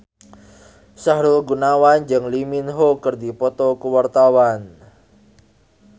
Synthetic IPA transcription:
sahɾʊlɡunawand͡ʒɨŋliminɦokərd̪ipɔt̪ɔkəwart̪awan

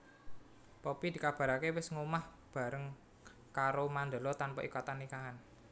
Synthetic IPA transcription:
pɔpid̪̥i̤kab̥a̤ɾakewɪsŋumah | b̥a̤ɾəŋ | kaɾomand̪ə̤lɔt̪anpɔ̰ʔḭkɔt̪anːikaɦan

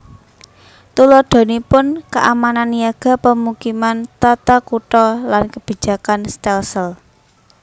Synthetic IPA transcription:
t̪ulɔɖ̪̥o̤nipʊnkəʔamananjaɡ̥ä̤pəmukimant̪at̪akuʈɔlankəb̥i̤̥d͡ʒ̥a̤kanst̪ɛlsəl

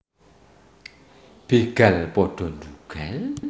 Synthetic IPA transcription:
b̥iɡ̥alpɔɖ̥ɔ̤nduɡ̥al

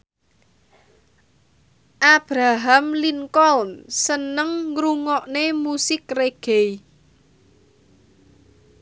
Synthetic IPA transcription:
ʔab̥ɾaɦamliŋkɔlnsənəŋːɾuŋɔʔnemusɪkreɡ̥ej

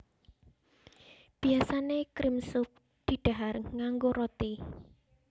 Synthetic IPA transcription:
b̥i̤asanekɾɪmsʊk̚ | d̪̥i̤ɖ̪̥a̤ɦarŋaŋɡoɾɔt̪i

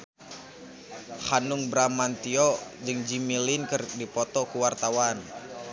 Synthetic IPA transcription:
hanuŋbɾamant̪iɔd͡ʒɨŋd͡ʒimilinkɨrdipɔt̪ɔkuwart̪awan

